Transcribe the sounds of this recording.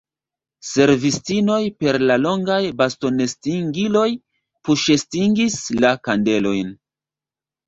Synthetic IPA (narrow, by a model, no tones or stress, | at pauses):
se̞ɾvistino̞jpe̞ɾlalo̞ŋɡajbasto̞ne̞stiŋɡilo̞j | puʃe̞stiŋɡislakande̞lo̞jn